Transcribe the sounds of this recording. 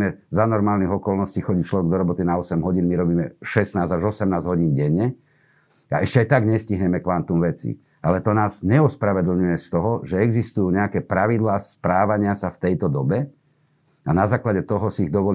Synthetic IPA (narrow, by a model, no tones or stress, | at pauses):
mɛzanɔɾmaːlniɣɔkɔlnɔsciːxɔɟict͡ʃlɔʋɛɡd̪ɔɾɔbɔt̪inaɔsɛmɦɔɟiːnmiɾɔbiːmɛʃɛsnaːzaʒɔsɛmnaːzɦɔɟiːnɟɛɲːɛ | a̰ɛʃcɛajt̪aɡɲɛsciɦɲɛmɛkʋant̪umʋɛt͡sḭ | alɛt̪ɔnaːzɲɛɔspɾaʋɛd̪l̩ɲujɛst̪ɔɦɔʒɛɛɡzist̪ujuːɲɛakɛːpɾaʋid̪laːspɾaːʋaɲɪasaft̪ɛjt̪ɔd̪ɔbɛ | anazaːklaɟɛt̪ɔɦɔsiːɣd̪ɔʋɔl